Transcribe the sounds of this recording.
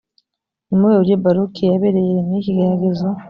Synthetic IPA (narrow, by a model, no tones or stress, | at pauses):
nimuɡeβuɾɟebaɾukʰijaβeɾejeniiciɡaɾaɡezo